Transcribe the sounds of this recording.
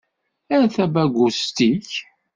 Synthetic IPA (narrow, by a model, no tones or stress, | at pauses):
æɾθæbæɡʷust̪iç